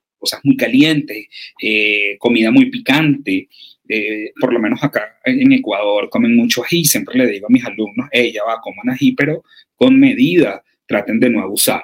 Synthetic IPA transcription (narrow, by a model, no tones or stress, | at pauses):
ko̞sazmujkalje̞nt̪eseko̞miðamujpikant̪e̞ | epo̞ɾlo̞me̞nosakaeŋekwaðo̞ɾko̞me̞ŋmut͡ʃoahisje̞mpɾe̞le̞ðiɣo̞amisalumno̞se̞ʝaβako̞monasipe̞ɾo̞ | ko̞ŋme̞ðiða | t̪ɾat̪end̪e̞noeβusa̰